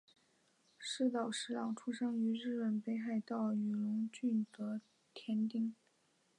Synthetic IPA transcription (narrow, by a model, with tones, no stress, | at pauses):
ʂɻ̩˥˩t̪ɑ˨˩ʊʂɻ̩˧˥lɑ˨˩ŋʈ͡ʂʰu˥ʂɤ˥ŋy˧˥ɻɻ̩˥˩pə˨˩npe˥ɪxa˥˧ɪt̪ɑ˥˩ʊy˨˩lʊ˧˥ŋt͡ɕy˥˩nt̪ɤ˧˥ | t̪ʰjɛ˧˥nt̪i˥ŋ